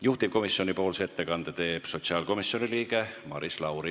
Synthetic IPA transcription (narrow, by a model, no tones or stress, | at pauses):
juht̪ip̚ko̞misjo̞nipo̞ːlseet̪ːe̞kɑnd̪̥et̪e̞ːb̥so̞t̪siɑːlko̞misjo̞niliːɡ̥e̞mɑ̰ɾislɑwɾi